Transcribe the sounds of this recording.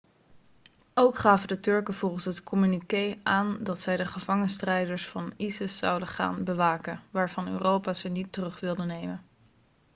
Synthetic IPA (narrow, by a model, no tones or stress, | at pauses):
owkχaːvədətɵɹkəv̥olˠχənsɦətkʰɔmynikejaːndɑtsɛjdəχəvɑŋənstrɛjdəɹsfɑnisɪsːɑ̰wdəχa̰ːnbəʋaːkənʋaːɹvɑnø̰ːrowpaːzənitːərɵχʋɪlˠdənejmən